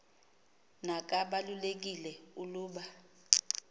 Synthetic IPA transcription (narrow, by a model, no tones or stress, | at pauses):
nak̬ʼaɓalulek̬ilɛuluːɓa